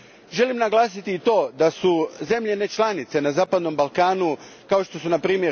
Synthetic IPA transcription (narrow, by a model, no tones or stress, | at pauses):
ʒe̞limnaɡlˠaːsit̪iːt̪o̞ːd̪asuze̞mʎe̞net͡ʃlˠanit̪se̞nazaːpad̪no̞mbalˠkaːnu | kao̞ʃt̪o̞sunapɾiːmjeɾ